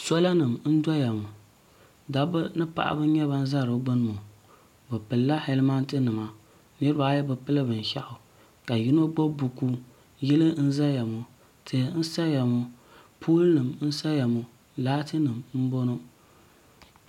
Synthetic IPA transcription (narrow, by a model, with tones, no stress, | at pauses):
sɔ˦la˦nɨ˨mn̩˦da˦ja˨mʊ˨ | da˨bɨ˦nɨ˦pa̰˨ʔa̰˦bɨ˦ɲɛ˦ba˦n̩˦za˦˨ɾɨ˨˦ɡ͡bɨ˦n˨mo˨ | bɨ˨pɨ˨lːa˦hɛ˦lma˦n˦tɨ˦nɨ˨ma˨ | nɨ˦ɾɨ˦ba˨˦jɛ˦bɨ˨pɨ˦lɨ˦bɨ˨n˨ʃa̰˦ʔʊ˨ | ka˨ji˦no˦ɡ͡bo˦bu˨ku˦ | jɛ˦lɨ˦n̩˦za˦ja˨mʊ˦ | tʰɨ˨˦n̩˦sa˦ja˨mʊ˦ | pʰuː˦lɨ˦nɨ˨mn̩˦sa˦ja˨mʊ˨ | laː˦tɨ˦nɨ˨mm̩˦bo˦no˦